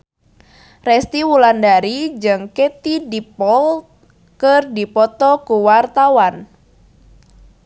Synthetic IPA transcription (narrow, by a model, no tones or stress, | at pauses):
rɛst̪iwulandaɾid͡ʒɨŋket̪idipɔl | kərdipɔt̪ɔkuwart̪awan